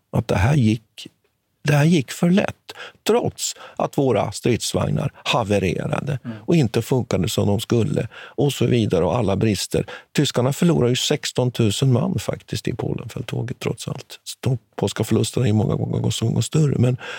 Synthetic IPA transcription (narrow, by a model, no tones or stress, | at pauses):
ʔat̪̚d̪ɛɦæːɾjɪkː | d̪ɛhæːɾjɪkːfœɭɛ̰t̪ːʰɾɔt̪sʔat̪voːɾa̰st̪ɾɪːt̪sva̰ŋna̰ɾhavəɾḛːɾa̰d̪əɔɪnt̪əfɵŋkad̪əsɔmd̪ɔmskɵlːəɔsɔviːd̪aɾəɔalːabɾɪst̪ə̰ɾt̪ʰʏskaɳafœɭuːɾaɾjɵsɛkst̪ɔnt̪ʰʉ̟ːsənma̰nːfa̰kt̪ɪsk̚t̪ɪpʰo̰ːlənfœlt̪ʰoːɡət̪ʰːɾɔt̪sa̰lt̪d̪̥ɔmpʰoːlskafœɭɵst̪ənahajɵmɔŋːa̰ɡɔŋːə̰ɾɡɔsɔɡɔŋːəst̪œrə̰mɛn